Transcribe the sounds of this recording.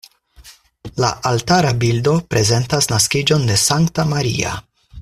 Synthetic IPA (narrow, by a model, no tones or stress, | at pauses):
la̰ʔaltaɾabildo̞pɾe̞ze̞ntasnaskid͡ʒo̞nde̞saŋktamaɾḭa̰